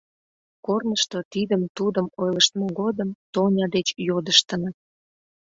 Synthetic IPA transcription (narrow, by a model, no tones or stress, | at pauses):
kornəʃt̪ot̪id̪əmt̪ud̪əmojləʃt̪moɡod̪əmt̪onʲɑd̪et͡ɕjod̪əʃt̪ənə